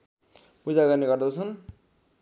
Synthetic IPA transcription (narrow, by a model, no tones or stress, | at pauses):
pud͡zaɡaniɡʌrd̪ʌt͡sʰʌn